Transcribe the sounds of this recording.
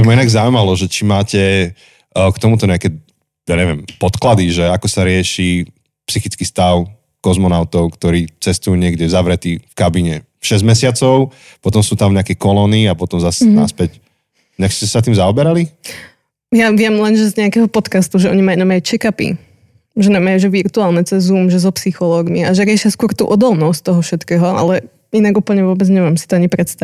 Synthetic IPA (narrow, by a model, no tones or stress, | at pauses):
mainaɡzaʊuimalɔʒɛt͡ʃimaːcɛ | kt̪ɔmut̪ɔɲɛakɛ | jaːɲɛʋɪɛmpɔt̪klad̪iʒɛakɔsaɾɪɛʃi | psixit͡skist̪aʊ | kɔzmɔnaʊt̪ɔʊkt̪ɔɾiːt͡sɛst̪ujuːɲɪɛɡɟɛzaʋɾɛt̪ifkabiɲɛ | fʃɛzɟmɛsɪat͡sɔʊ | pɔt̪ɔmsuːt̪amɲɛakɛkɔlɔːniapɔt̪ɔmzasnaspɛc | inakstcɛsat̪iːmzaɔbɛɾali | jaʋɪɛmlɛnʒɛzɲɛakɛɦɔpɔt̪kast̪uʒɛʔɔɲimajunamajut͡ʃɛkapḭ | ʒɛnamajuʒɛʋiɾt̪uaːlˠnɛt͡sɛzuːmʒɛzɔpsixɔlɔːɡmiaʒɛɾɪɛʃɪaskʊɔɾt̪ṵːʔɔd̪ɔlnɔsct̪ɔɦɔfʃɛt̪kɛːɦɔʔa̰lɛ | inaɡuːpl̩ɲɛʋʊɔbɛd͡zɲɛmaːmsi̥t̪ɔaɲipɾɛt̪st̪a